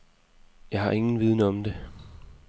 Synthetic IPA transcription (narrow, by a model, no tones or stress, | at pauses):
jɑ̈ɪɦɑ̈ʔe̝ŋn̩ʋið̞ˠnəɒ̽md̥e̝